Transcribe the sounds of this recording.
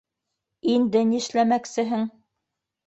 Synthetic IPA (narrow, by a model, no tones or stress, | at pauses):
ind̪ɘnĭʃlæmæksɘ̆ɦɘŋ